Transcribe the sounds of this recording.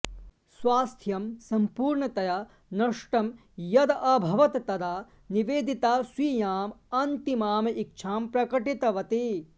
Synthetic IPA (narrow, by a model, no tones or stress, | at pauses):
swaːst̪ʰjɐmsɐmpuːɾɳɐt̪ɐja | nɐʂʈɐm | jɐd̪ɐʔɐbʱɐʋɐt̪t̪ɐd̪aː | niʋeːd̪it̪aːsʋiːjaːmɐnt̪imaːmɐʔik̚t͡ʃʰaːmpɾɐkɐʈit̪ɐʋɐt̪e